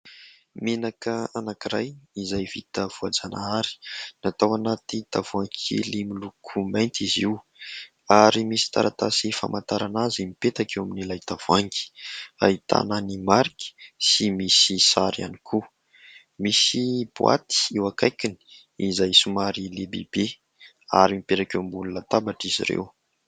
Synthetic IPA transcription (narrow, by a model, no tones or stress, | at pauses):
menakəanakiɾajizajv̥it̪əv̥uad͡zanʔaaɾi̥nat̪awanat̪it̪avuaŋkʰḭlimilukʰumajnt̪iziw | aɾimisi̥t̪a̰ɾʔat̪asifa̰mant̪aɾanazimipet̪akewaminilajt̪av̥aŋki̥a̰it̪a̰nənimaɾiki̥simisisaɾia̰nikʰu | misib̥wa̰t̪i̥ewakajkini̥ | izajsumaɾilebḛb̥e | a̰ɾimipeʈ͡ʂakewmbulunət̪abaʈ͡ʂizḭɾḛw